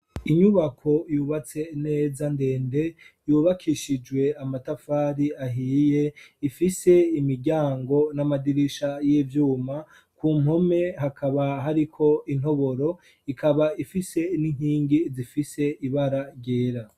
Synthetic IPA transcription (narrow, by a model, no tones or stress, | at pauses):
iɲuβakʰo̞juːβat͡se̞ne̞ːzande̞ːnde̞juːβakʰiʃid͡ʒɡwe̞amatafaːɾiaɦiːjeifise̞imiɾɟaːŋɡo̞namadiɾiʃajiːvjuːma | kuːm̥o̞me̞ɦakʰaβaɦaɾikʰo̞in̥ho̞βo̞ɾo̞ | ikʰaβaifise̞niŋ̥hiːŋɡizifise̞iβaɾaɾɟe̞ːɾa